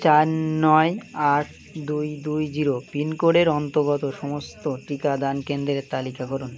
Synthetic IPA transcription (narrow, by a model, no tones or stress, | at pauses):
t͡ɕaɾnɔeaʈ̚ʰ | d̪ujd̪ujd͡ʑiɾopinkoɽeɾɔnt̪oɡɔt̪oʃɔmost̪oʈikad̪ankend̪ɾet̪alikakɔɾun